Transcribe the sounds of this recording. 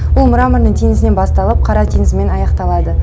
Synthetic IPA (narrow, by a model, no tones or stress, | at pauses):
wʊlˠmʊɾɑməɾnəɴt̪ʰeŋɪzɪnenbɑst̪ɑlˠəp̚qʰɑɾɑt̪ʰeŋɪzɪme̞nɑjɑqt̪ɑlˠɑd̪ə